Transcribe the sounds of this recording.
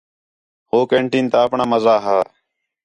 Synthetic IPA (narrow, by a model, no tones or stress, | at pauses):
hoːkẽːɳʈĩːnt̪aːəpɳaːməzaːɦaː